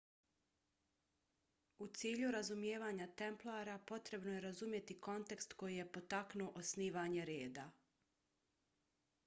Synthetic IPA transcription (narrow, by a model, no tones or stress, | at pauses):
ut̪siːʎuɾazumje̞ːʋaːɲat̪e̞mplˠaːɾapo̞t̪ɾe̞bnoje̞ɾazumje̞t̪iko̞nt̪e̞kst̪ko̞jije̞po̞t̪aknuoʔosniːʋaːɲe̞ɾeːd̪a